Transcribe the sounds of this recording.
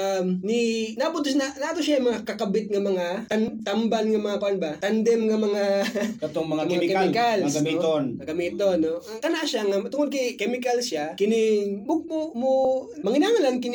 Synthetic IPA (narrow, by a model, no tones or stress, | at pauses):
mninapʊt̪snanaʔt̪oʃajamɐŋakɐkɐbɪt̪̚ŋɐmɐŋatɐnt̪ɐmbalŋɐmɐŋapʊʔɐnbat̪ɐnd̪ɛmŋɐmɐŋaot̪oŋmɐŋamɐŋakɛɪkalɡɐmionɐɡɐmiːt̪onːok̪ɐnaʔʃaŋɐt̪ʊŋod̪̚kɐjkɛmɪkɐlʃakɪnɪmʊɡ̚momomɐŋɪnaːŋɐlankɪn